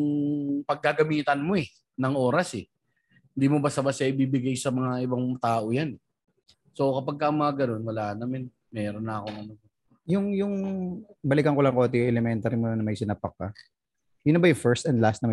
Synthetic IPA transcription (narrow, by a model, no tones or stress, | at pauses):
ŋpɐɡ̚ːaɡɐmiːt̪ɐnmo̞ɛ | nɐŋʔo̞ːɾɐsɛ | hɪnd̪iːmobɐsɐbɐsjaʔɪbiːbɪɡajsɐmɐŋaʔɪbɐŋt̪aːʔo̞janɛ | so̞kɐpɐɡ̚kɐŋmɐŋaɡɐno̞nwɐlaːʔnːɐmɪn | mɛːɾo̞nːɐɐko̞ŋʔɐno | jʊŋjʊŋ | bɐlɪkɐŋkolɐŋkoːt̪ɪjʊʔɛlɛmɛnt̪ɐɾimonnɐmɐjsɪnapɐkːɐ | jʊnɐbɐjfɛɹst̪ɐnd̪last̪nɐmɐ